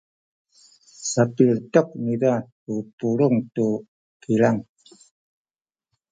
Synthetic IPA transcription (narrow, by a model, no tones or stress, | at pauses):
sapirtɔk̚nidatupuluŋtu | kilaŋ